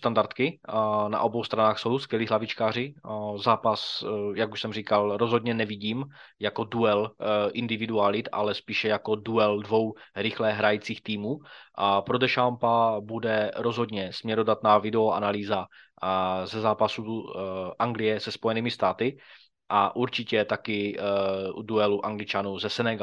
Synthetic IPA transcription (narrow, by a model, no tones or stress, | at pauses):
st̪andaɾt̪kɪna̰ʔo̞bowst̪ɾanaːxso̞wskvɛliːɦlavɪt͡ʃkaːr̝ɪzaːpasjakuʃsɛmriːkalɾozɦod̪ɲɛnɛviɟiːmjako̞duɛlʔɪnd̪ɪvɪdualɪt̪a̰lɛspiːʃɛjako̞duɛldvo̞wɾɪxlɛɦɾajit͡siːxt̪iːmuːpɾodɛʃampabudɛɾo̞zɦo̞dɲɛsmɲɛɾodat̪naːvɪdɛoʔa̰naliːza | zɛzaːpasuʔaŋɡlɪjɛsɛspojɛniːmɪst̪aːt̪ɪ | ʔaʔuɾt͡ʃɪcɛt̪akɪ | uduɛluʔaŋɡlɪt͡ʃanuːzɛsɛnɛɡ